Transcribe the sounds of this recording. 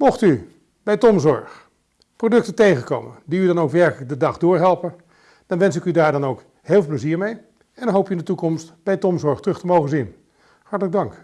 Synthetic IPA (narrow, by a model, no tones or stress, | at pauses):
mɔχty | bɛjtɔmzɔɹχ | prowdɵk̚tətejχənko̰wmə̰ndiydɑnowkʋɛɹkələk̚dədɑχdʊːɹɦɛlˠpən | d̥ɑnʋɛns̬ɪkydaːɹdɑnowk | hɪːlˠvlˠp̬ləziːɹmej | ɛnnɦowpyɪndətukɔmstb̥ɛjtɔmzɔɹχtrɵχtəmowχənzin | hɑɹtələɡ̚dɑŋk